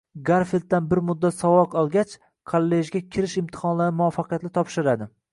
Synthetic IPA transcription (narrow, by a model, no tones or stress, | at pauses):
ɡaɾfelt̪̚ːanbɪɾmʊd̪ːat̪sɒwɒqɒlˠɡʲat͡ʃ | kʰolːeʒɡʲakʲʰɪɾɪʃɪmt̪ʰɪ̥hɒnlaɾɪmʊɒfːɑqʰɨjat̪lɪt̪ʰɒpʃɪɾad̪ɪ